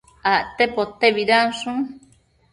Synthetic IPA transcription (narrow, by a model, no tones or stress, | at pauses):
aʔt̪epot̪ːeβiɾansũŋ